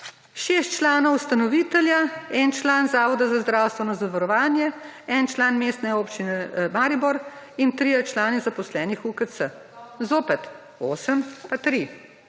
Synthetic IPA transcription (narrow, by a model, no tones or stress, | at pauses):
ʃeːst̪t͡ʃlaːnɔwst̪anɔʋiːt̪ɛljaɛnt͡ʃlaːnzaːʋɔd̪azazd̪ɾaːwst̪ʋɛnɔzaʋaɾɔʋaːnjɛɛnt͡ʃlaːnmeːst̪nɛoːpt͡ʃinɛmaːɾibɔɾ | int̪ɾiːjɛt͡ʃlaːnizapɔslɛːnixukəsə | zoːpɛt̪ | oːsəmpat̪ɾi